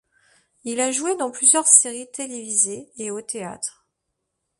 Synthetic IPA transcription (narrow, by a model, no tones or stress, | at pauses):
ilaʒued̪ɑ̃plyzjœʁseʁit̪elevizeːot̪ea̰t̪χ